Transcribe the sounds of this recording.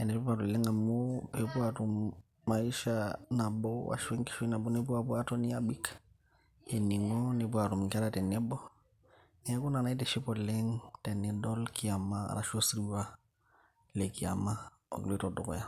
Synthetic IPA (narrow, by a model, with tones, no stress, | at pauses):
ɛ˨nɛ˨˦p̬a˨tɔ˨lɛ˦ŋa˨mopɛpu˦atu˨m | ma˨i˦ʃana˨bɔwa̰˨ʃɛ˦ŋki̥˦ʃi˦na˨bɔ˦ni˦p̬u˦apu˦a˦tɔ˦ni˦abi˦k | ɛ˨ni˨ŋɔnipu˦a˨tu˨mka˦ɾatɛ˨nɛ˦bɔ | nɛ˨ɛ˦ku˦na˨na˨i˦tɛʃi˦pɔlɛŋtɛ˨nɛdɔ˦lki˨a˨ma̰ɾa̰˨ʃo˦sɾi˦wa | lɛ˨ki˨a̰ma˦ | ɔ̰˨ɡlɛ˦tɔdɔ˨kɔ̰˨ja˦